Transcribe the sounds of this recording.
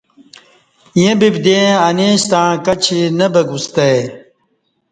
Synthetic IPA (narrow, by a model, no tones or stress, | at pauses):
jẽbibd̪ẽɐneːɕt̪ãːkɐt͡ɕʰinɐbɐɡust̪ɐj